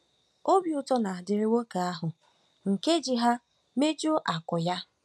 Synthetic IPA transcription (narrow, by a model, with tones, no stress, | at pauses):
o˦bjʊ˨tɔ˦na˨dɪ˨ɾɪ˨wo˦ka˨a˦ɦʊ˨ | ŋ̩˨ke˦d͡ʒi˨ɦa˦ | me˦d͡ʒo˦ʔa˨kʊ˨ja˦